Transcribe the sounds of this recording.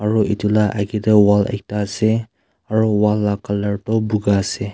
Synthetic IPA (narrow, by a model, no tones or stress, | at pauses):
aɹuitulaʔaɡidəwalɛ̰k̚tase | aɹɔwalːakalaɹtɔbuɡase